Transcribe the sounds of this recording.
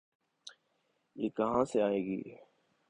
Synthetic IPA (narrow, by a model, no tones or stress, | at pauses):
jeːkɐɦãːseaːeːɡḭː